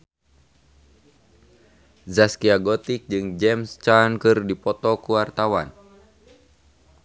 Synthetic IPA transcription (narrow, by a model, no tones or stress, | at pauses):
zaskiaɡɔt̪ik̚d͡ʒɨŋd͡ʒɛmst͡ʃankɨrdipɔt̪ɔkuwart̪awan